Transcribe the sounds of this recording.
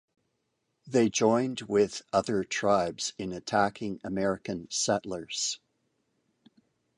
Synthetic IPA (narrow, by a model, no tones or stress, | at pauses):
ðeɪd͡ʒɔ̃ɪ̃nd̚wɪð̥ʌðə˞tʰɹ̥aɪbz̥ɨ̃nɨtʰækʰɪ̃ŋɨmɛɹɨkɨ̃nsɛʔlə˞z̥